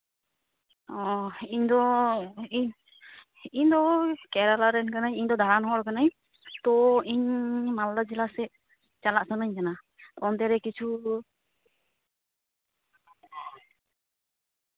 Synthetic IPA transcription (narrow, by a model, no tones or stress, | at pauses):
ɔiɲd̪ɔ | iɲ | iɲd̪ɔkɛɾalaɾɛnkanaɲiɲd̪ɔd̪ʱaɾanɦɔɔɾkanaɲ | t̪ɔiɲmald̪ad͡ʒilasɛ | t͡ʃalaʔsanəɲkana | t̪ɔnt̪ɛɾɛkit͡ʃʰu